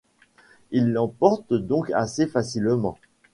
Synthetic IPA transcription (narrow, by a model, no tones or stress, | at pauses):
ilːɑ̃pɔʁt̪d̪ɔ̃ka̰sefasilmɑ̰̃